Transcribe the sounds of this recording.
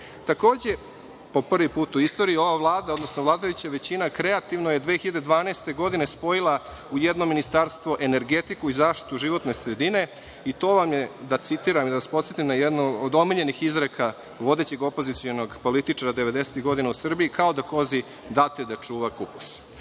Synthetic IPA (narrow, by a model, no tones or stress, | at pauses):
t̪ako̞ːd͡ʑe̞ | po̞pr̩ʋipuːt̪uist̪o̞ːɾiio̞ʋaʋlˠaːd̪ao̞d̪no̞snoʋlˠaːd̪ajut͡ɕaʋe̞t͡ɕinakɾe̞at̪iʋno̞jed̪ʋeːxiʎad̪ed̪ʋaːneːst̪e̞ɡo̞d̪ine̞spo̞jilˠa | ujed̪nominist̪aɾst̪ʋo̞ʔe̞ne̞ɾɡe̞t̪ikuizaːʃt̪i̥t̪uʒiʋo̞t̪ne̞sɾed̪ine̞ | it̪o̞ːʋamjed̪at̪sit̪iːɾamid̪aʋaspot̪set̪imnajɛd̪noːd̪o̞miʎe̞nixizɾeka | ʋo̞d̪e̞t͡ɕe̞ɡo̞po̞zit̪sionoɡpo̞lit̪it͡ʂaɾad̪eʋed̪e̞set̪iɣɡo̞d̪inausr̩biikao̞d̪ako̞zi | d̪at̪ed̪at͡ʂuːʋakupu̥s